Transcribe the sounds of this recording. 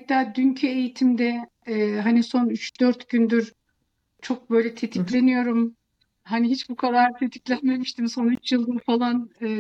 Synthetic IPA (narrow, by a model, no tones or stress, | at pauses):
pat̪ʰːaːd̪yncʰyejit̪ʰimd̪ɛː | ɦaniso̞nyt͡ʃd̪øɾt̪ɟynd̪yɾ | t͡ʃʰo̞k̚bø̞jlʲɛt̪ʰe̞t̪ʰiclʲe̞nijo̞ɾum | hɦaniɦit͡ʃbukʰad̪aɾt̪ʰe̞t̪ʰi̥clʲænme̞miʃt̪ʰimso̞nyt͡ʃjɯlˠd̪ɯɾfalˠanɯː